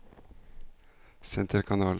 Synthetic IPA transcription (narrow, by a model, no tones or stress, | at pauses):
sɛnt̪ʰəɾkʰɑnɑːl